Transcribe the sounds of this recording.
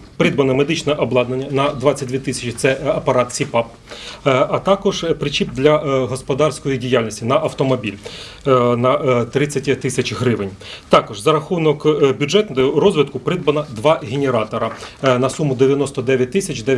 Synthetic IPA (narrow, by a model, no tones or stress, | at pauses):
pɾɪd̪bɐnɔmed̪ɪt͡ʃnɛʔɔblˠɑd̪nenʲːɐnɐd̪ʋɑt͡sʲɐt̚ʲd̪ʲʋʲit̪ɪsʲɐt͡ʃɪt̪sɛɐpɐɾɑt̪sʲipɑp̚ | ɐt̪ɑkɔʒpɾɪt͡ʃib̚d̪lʲɐɦɔspɔd̪ɑrsʲkɔjidʲijalʲnʲisʲtʲinɐʔɐwt̪ɔmɔbʲilʲ | nɐt̪ɾɪt͡sʲːɐtʲt̪ɪsʲɐt͡ʃɦɾɪʋenʲ | t̪ɑkɔʒzɐɾɐxunɔkbʲʊʐɛt̪nrɔzʲʋʲɪt̪kʊpɾɪd̪̚bɐnɐd̪ʋɑɦʲenʲeɾɑt̪ɔɾɐnɐsumʊd̪eʋʲjɐnɔst̪ɔd̪ɛʋʲjɐt̚ʲt̪ɪsʲɐt͡ʃʲd̪ɛ